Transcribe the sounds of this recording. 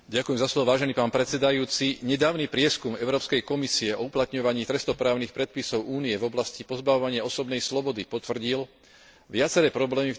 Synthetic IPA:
ɟakujɛmzaslɔʋɔʋaːʒɛniːpaːnpɾɛt̪t͡sɛd̪ajuːt͡siɲɛd̪aːʊnipɾɪɛskumɛʊɾɔːpskɛjkɔmisiɛɔuplat̪ɲɔʋaɲiːt̪ɾɛst̪ɔpɾaːʊnixpɾɛt̪̚pisɔʊuːniɛvɔblascipɔzbaʋɔʋaɲɪaɔsɔbnɛjslɔbɔd̪ipɔt̪ʋr̩ɟil | ʋɪat͡sɛɾɛːpɾɔblɛːmi

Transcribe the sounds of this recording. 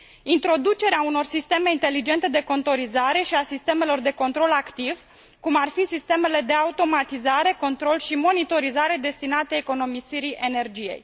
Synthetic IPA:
int̪ɾo̞d̪ut͡ʃe̞ɾeauno̞rsist̪e̞me̞int̪e̞lid͡ʒe̞nt̪e̞d̪e̞ko̞nt̪o̞ɾizaɾe̞ʃiasist̪e̞me̞lo̞rd̪e̞ko̞nt̪ɾo̞lakt̪iv | kumarfisist̪e̞me̞le̞d̪e̞aut̪o̞mat̪izaɾe̞ko̞nt̪ɾo̞lʃimo̞nit̪o̞ɾizaɾe̞d̪e̞st̪inat̪eːko̞no̞misiɾiʔene̞rd͡ʒije̞̰j

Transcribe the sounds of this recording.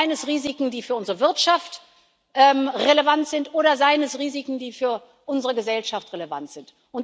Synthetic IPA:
ɪnəsʁiːzikŋ̩diːfyːɐʔʊnzəʁəvɪɐtʃaft | ʔɛːmʁelevantz̥ɪntʔoːɾɐzaɪnəsʁiːzikŋ̩diːfyːɐ | ʔʊnzəʁəɡəzɛlʃaftʁeleva̰ntz̥ɪnt | ʔʊnt

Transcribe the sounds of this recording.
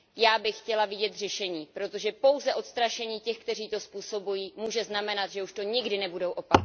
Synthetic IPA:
jaːbɪxːcɛlavɪɟɛt̪r̝ɛʃɛɲiːpɾo̞t̪o̞ʒɛpo̞wzɛʔo̞t̪st̪ɾaʃɛɲiːcɛxkt̪ɛriːt̪o̞spuːso̞bujiːmuːʒɛznamɛnat̪ʒɛuʃt̪o̞ɲɪɡdɪnɛbudowʔo̞pak

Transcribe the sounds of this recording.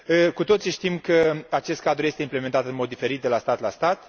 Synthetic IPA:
əkut̪o̞t̪siʃt̪imkəat͡ʃe̞st̪kad̪ɾuje̞st̪eimple̞ment̪at̪ɨnmo̞d̪d̪ife̞ɾit̪̚d̪e̞last̪at̪last̪at̪

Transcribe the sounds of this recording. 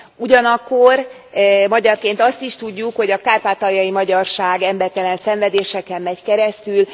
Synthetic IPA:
uɟɒnɒkːo̞r | mɒɟɒrkeːnt̪ɒst̪iʃt̪uɟːukho̞ɟɒkaːrpaːt̪ɒjɒjimɒɟɒrʃaːɡɛmbɛrt̪ɛlɛnsɛɱvɛd̪eːʃɛkɛmːɛckɛɾɛst̪yl

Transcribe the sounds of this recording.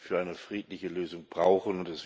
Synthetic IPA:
fyːɐʔaɪnəfʁ̥iːtlɪçəløːzʊŋb̥ʁaʊxn̩ʊntɛsv̥

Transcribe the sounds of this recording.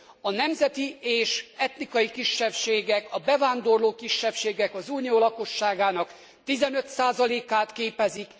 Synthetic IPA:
ɒnɛmzɛt̪ieːʃɛt̪nikɒjikiʃːɛpʃeːɡɛkɒbɛvaːnd̪o̞rloːkiʃːɛpʃeːɡɛkɒzuːnioːlɒko̞ʃːaːɡaːnɒk | t̪izɛnøt̪saːzɒleːkaːt̪keːpɛzik

